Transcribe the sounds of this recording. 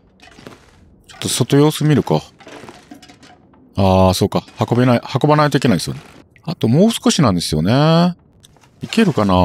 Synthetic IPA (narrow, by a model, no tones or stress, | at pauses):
t͡ɕo̞̥t̪ːo̞so̞t̪o̞jo̞ːsɨmʲiɾɯ̟ka | aːso̞ːkahako̞benaihako̞banait̪oike̞naid̪esɨjo̰ne | at̪o̞mo̞ːsɨ̥ko̞ɕinãnd̪e̞sɨjo̞̰ne | ike̞ɾɯ̟kana